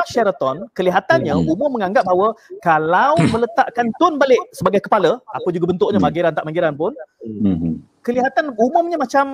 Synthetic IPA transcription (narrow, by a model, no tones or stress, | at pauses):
aʃɛɾət̪ɔnkəliɦat̪anɲə̃umʊmːəŋãŋɡap̚bawəkalawmə̃lət̪aʔkant̪ʊnbalɪʔsəbaɡajkəpaləapəd͡ʒuɡabənt̪ʊʔɲəmaɡiɾant̪aʔmaŋɡiɾanpʊn | kəliɦat̪anumʊmɲə̃mat͡ʃam